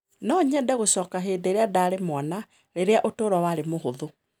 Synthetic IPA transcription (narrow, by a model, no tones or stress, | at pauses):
nɔɲɛdɛɣoɕɔːkaɦeːdeɾeadaːɾemwana | ɾeɾeaʔotoːɾɔwaɾemoɦoðo